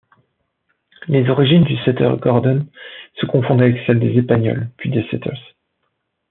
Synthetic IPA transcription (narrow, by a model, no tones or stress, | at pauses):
lezɔʁiʒind̪ysɛt̪œ̰ʁɡɔʁd̪ɔnsəkɔ̃fɔ̃d̪avɛksɛld̪ezespaɲɔ̰lpɥid̪esɛ̰t̪ʰœ̰ʁs